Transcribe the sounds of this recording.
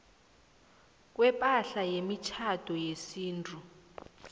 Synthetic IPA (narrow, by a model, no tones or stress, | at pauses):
k̬ʼwɛpʼaɬajemit͡ʃʰatʰʼɔjesiːntʰʼu